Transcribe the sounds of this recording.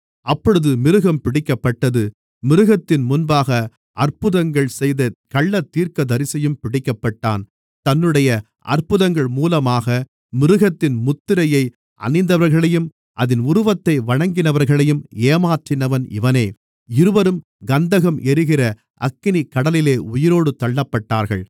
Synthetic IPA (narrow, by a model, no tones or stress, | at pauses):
ʔɐpːɔɻɯðɯmɪɾɯɣɐmpɪɽɪkːɐpːɐʈːɐðɯ | mɪɾɯɣɐt̪ːɪnmʊnbaːɣɐ | ʔɐrpɯðɐŋɡɐɭsɛjðɐkɐɭːɐt̪ːiːɾkɐd̪ɐɾɪsɐjɯmpɪɽɪkːɐpːɐʈːa̰ːn | t̪ɐnːɯɽɐjɐ | ʔɐ̰rpɯðɐŋɡɐɭmuːlɐmaːɣɐ | mɪɾɯɣɐt̪ːɪnmʊt̪ːɪɾɐjɐɪ | ʔɐ̰ɳɪnd̪ɐʋɐɾɣɐɭɐjɯm | ʔɐðɪnʊɾʊʋɐt̪ːɐɪʋɐɻɐŋɡɪnɐʋɐɾɣɐɭɐjɯmeːmaːʈrɪnɐʋɐnɪ̰ʋɐneː | ɪɾɯʋɐɾɯm | ɡɐnd̪ɐɣɐmɛɾɯɣɪrɐ | ʔɐkːɪnikɐɽɐlɪleːʊjɪɾoːɽɯt̪ɐɭːɐpːɐʈːaːɾɣɐ̰ɭ